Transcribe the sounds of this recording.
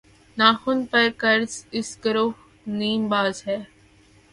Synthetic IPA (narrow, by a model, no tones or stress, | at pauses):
naːxʊnpəɾkəɾzɪsɡəɾoh | niːmbaːzɦɛː